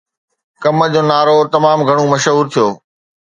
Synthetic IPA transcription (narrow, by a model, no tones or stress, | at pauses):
kɐmə̆d͡ʑoːnaːɾot̪ɐmaːmɡʱɐɽ̃omɐʃɦuːɾt̪ʰijoː